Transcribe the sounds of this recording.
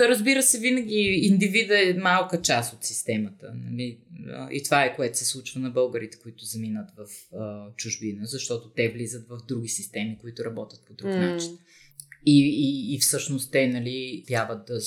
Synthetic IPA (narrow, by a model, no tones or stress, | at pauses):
ɾəzbiɾəsɛvinəɡʲiind̪ivid̪əɛmalˠkət͡ʃast̪ot̪sist̪ɛmət̪ə̰nɐ̰lḭʔḭt̪ovaɛkoɛt̪ʊ̥sɛslˠut͡ʃvənɐbɤlˠɡəɾit̪ɛ̥koit̪ʊzɐminət̪vɐfət͡ʃʊʒbinəzɐʃt̪ɔt̪ot̪ɛvlizət̪vɐvd̪ɾuɡ̟isist̪ɛmikoit̪ʊɾɐbɔt̪ʲjət̪̚pod̪ɾuknat͡ʃin | iːfsɤʃnost̪ːɛnɐlipjavət̪̚d̪ə